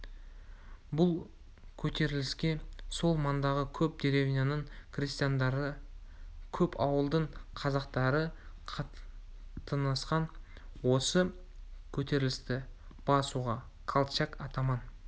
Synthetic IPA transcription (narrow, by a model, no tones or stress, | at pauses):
bʊlˠ | kʲʰɵt̪ʰe̞ɾɪlɪskʲe̞so̞lˠmɑnd̪ɑʁəkʲʰɵp̚d̪eɾevʲinanəɴkʰrʲist̪ijand̪ɾə | kʲʰɵpʰɑwəlˠd̪əɴqʰɑzɑqt̪ɑɾə | ɑ | t̪ənɑsqɑn | wo̞sə | kʲʰɵt̪e̞ɾɪlɪst̪ɪ | b̥ɑsuʁɑ | qʰalˠt͡ʃakɑt̪ɑmɑn